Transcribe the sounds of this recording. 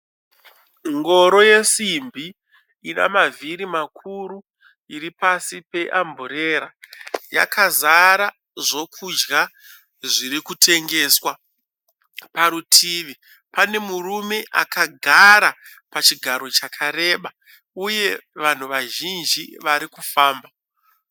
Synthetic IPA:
ŋɡo̞ɾo̞je̞simbʱi | ina̰maviɾimakʰuɾu | iɾipasipe̞ʔambuɾe̞ːɾaja̰kazaɾa | ʐo̞kʰud͡ʒɡa | ʐiɾikutʰe̞ŋɡe̞ːswa | paɾutʰiːʋi | pane̞murume̞ʔakaɡʱaɾa | pat͡ʃiɡʱaɾo̞t͡ʃakʰaɾe̞ːɓa | uje̞ʋan̤uʋaʒind͡ʒiʋaɾikufaːmba

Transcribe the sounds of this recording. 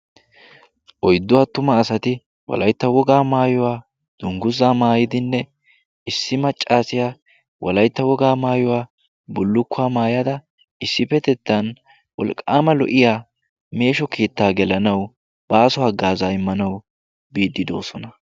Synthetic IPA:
ʔɔjd̪ːʊwaːt̪ʊmɐːsɐt̪ɪ | wɔ̰lɐjt̪ːɐwɔɡaːmaːjɔwaː | d̪̥ʊŋɡʊzaːmaːjɪd̪ɪnːɛ | ɪsːɪmɐt͡ʃʼːaːsɪjaː | wʔɔ̰lɐjt̪ːɐwɔɡaːmaːjɔwaː | bʊlːʊkːʊaːmaːjɐd̪ɐ | ɪsːɪpɛt̪ɛt̪ːɐn | wɔ̰lkʼːaːmɐlɔ̰ʔɪjaː | me̞ːʃɔkʰeːt̪ːaːɡɛlɐnɐw | b̥ɐːsɔhɐɡːaːzaːɪmːɐnɐw | biːd̪ːɪd̪o̞̰ːsɔnɐ

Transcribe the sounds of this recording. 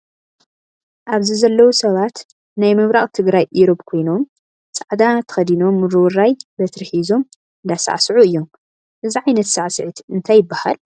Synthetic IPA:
ʔaβzizɐlːɐwusɐβat̪ | najmɨβɾaχʼt̪ʰɨɡɾajʔiɾobkʰo̞jno̞m | t͡sʼaʕd̪at̪ʰɐ̥xɐd̪ino̞mːɨɾɨwɨrajbɐt̪ʰɨɾħizo̞m | ɨnd̪asa̰ʕsɨʕuɨjːo̞m | ʔɨziʕajnɐt̪saʕsɨʕit̪ɨnt̪ʰajːɪbːaha̰l

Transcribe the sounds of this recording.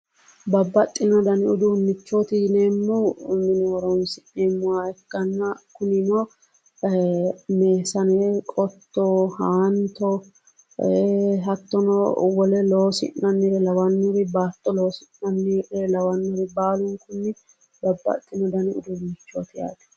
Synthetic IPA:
bɐbːɐt̪ʼːɪnɔd̪ɐnɪʊd̪ʊʊnːɪt͡ʃːoːt̪ɪnemːɔmɪnoːɾɐʊnsɪneːmːʊwaːɛkːɐnːɐkʊnɪno | meːsɐnɛkʼɔt̪ːɔhaːnt̪ɔ | ɦɐt̪ːɔnɔwɔlɛloːsɪ̰nːɐnːɛɾlɐwɐnːʊɾɪbaːt̪ʼːɔloːsɪnːɐnːɛlɐwɐnːʊɾɪbaːlʊŋkʊnːɪ | bɐbːɐ̰t̪ʼːɪnɔd̪ɐnɪʊ̰d̪ʊnːɪt͡ʃːo̰ːt̪ɪja̰ːd̪ɛ̥

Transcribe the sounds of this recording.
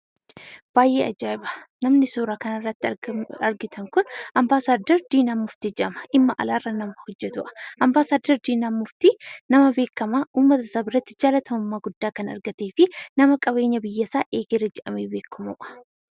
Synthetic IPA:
b̥aːjʔeːɐd͡ʒaːɪbɐ̥nɐmnɪsuːɾaːkɐnɐrːɐt̪ːɪɐɾɡɪt̪ʰɐŋkʊnʔɐmbaːsaːd̪ːɐɾd̪iːnaːmːʊft̪ɪd͡ʒɛʔɐmɐ̥ʔɪmːɐʔɐ̰laːrːɐnɐmːɐhɔd͡ʒːɛt̪ʊʔɐ̥ʔɐmbaːsaːd̪ːɐɾd̪iːnamːʊft̪ɪnɐmɐbe̞ːkːɐmaːʔuːmːɐt̪ɐsɐbɪɾɐt̪ːɪ̥d͡ʒaːlɐt̪ʰɐmʊmːaːɡʊd̪ːaːkɐnɐ̰ɾɡɐt̪e̞ːfɪnɐmɐkʼɐβe̞ːɲːɐbɪjːɐsaːʔeːɡeːɾɐd͡ʒɛʔɐmeːbe̞ːkːɐmuːʔɐ̥

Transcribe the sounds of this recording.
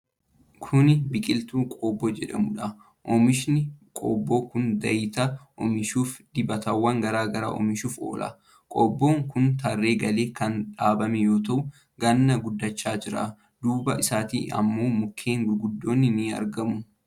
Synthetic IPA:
kʰʊnɪbɪkʼɪlt̪uːkʼoːbːod͡ʒɛᶑɐmʊᶑɐ | ʔɔmɪʃnɪkʼo̰ːbːoːkʊnd̪ɐɪt̪ɐʔɔ̰mɪʃuːfd̪̥ɪbɐt̪ɐwːɐŋɡɐɾaːɡɐɾa̰ːʔɔ̰mɪʃuːfo̞̰ːlʔɐ̰ | kʼo̰ːbːo̞ːŋkʊnt̪ɐrːe̞ːɡɐle̞ːkɐnᶑaːbɐmɛjo̞ːt̪ɐʔʊ | ɡɐnːɐɡʊd̪ːɐt͡ʃːaːd͡ʒɪɾa̰ | d̪uːbɐʔɪsaːt̪ḭːɐ̰mːo̞ːmʊkʰːe̞ːŋɡʊlɡʊd̪ːo̞ːnːɪniɐ̰ɾɡɐmʊ

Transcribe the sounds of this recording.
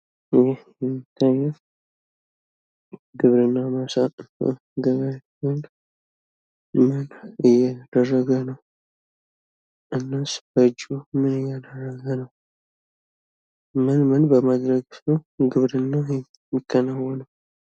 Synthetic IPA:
jɛjɛmːit̪ʰːajːɛw | ɡɨβɾɨnːamasa̰ | ɡəβə | mɨn | mɨnɨjad̪̥ərːəɡənəw | ʔɨnːasbəd͡ʒumɨnɨjːad̪ərːəɡənəw | mɨnmɨnbəmad̪ɾəɡsəwɡɨβɾɨnːajɛ | mːikʰːənawːələw

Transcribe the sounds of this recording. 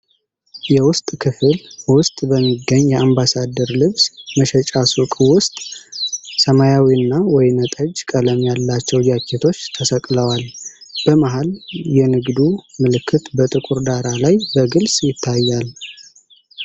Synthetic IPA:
jɛwʊst̪ʼkʰɨfɨlwʊst̪ʼbəmːiɡːəɲːjɛambasad̪ːəɾlɨβsməʃɛt͡ʃʼasukʼwʊst̪ʼ | səmajawiɨnːawɔjnət̪ʼəd͡ʒkʼələmjalːat͡ʃːɛwd͡ʒakʰːet̪ʰo̞t͡ʃːt̪ʰəsəkʼləwalb̥əmaɦaljɛnɨɡd̪umɨlɨkːɨt̪bət̪ʼɨkʼuɾd̪aɾalajbəɡɨlsʼjɪt̪ʰːajːal

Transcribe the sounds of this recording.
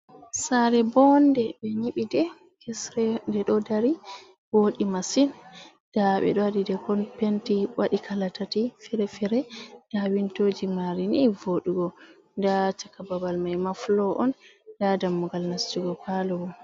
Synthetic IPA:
saɾɛbɔndɛɓɛɲiɓidɛ | kʰɛsɾɛdɛɗɔdaɾi | woɗimasin | d̥aɓɛ̰ɗɔadidɛkɔnpentiwaɗikʰalatatifɛɾɛfɛɾɛd̥awintoːd͡ʒimaɾinivoɗuɡɔ | dat͡ʃakːababalmajmaflɔʔɔn | dadamːuɡalnast͡ʃuɡɔkalɔwɔ

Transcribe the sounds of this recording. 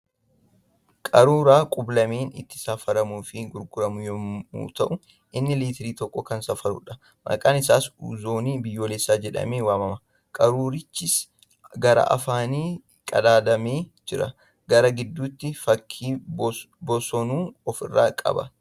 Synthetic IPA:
kʼɐɾuːɾaːkʼʊblɐmeːnɪ̰t̪ːɪ̥safɐɾɐmuːfɪɡʊɾɡʊɾɐmʊjɔmṵːt̪ɐʔʊ | ʔɪnːɪliːt̪ɪɾiːt̪ɔkʼːɔkɐnsɐfɐɾʊ̰ᶑɐ | mʔɐ̰kʼaːnɪsaːsṵːzoːniːbɪjːoːlesːaːd͡ʒɛᶑɐ̰meːwaːmɐmɐ | kʼɐɾuːɾɪt͡ʃːɪs | ɡɐɾɐ̰ʔɐ̰faːniː | kʼɐ̰d̪aːd̪ɐmeːd͡ʒɪɾɐ̰ | ɡɐɾɐɡɪd̪ːuːt̪ːɪfɐkʰːiː | bɔsɔnuːɔfɪ̰rːa̰ːkʼɐ̰bɐ̰

